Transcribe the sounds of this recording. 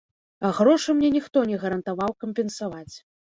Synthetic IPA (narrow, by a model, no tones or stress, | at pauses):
aɣɾɔʂɨmnʲɛnʲixt̪ɔnʲɛɣɐɾɐnt̪avawkɐmʲpʲɛnsavat͡sʲ